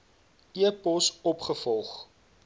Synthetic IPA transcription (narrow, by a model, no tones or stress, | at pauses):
iəpɔsɔpχəfɔlˠχ